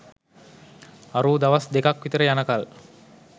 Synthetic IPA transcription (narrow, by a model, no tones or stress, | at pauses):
aɾuːd̪aʋasd̪ekakʋit̪əɾəjanəkal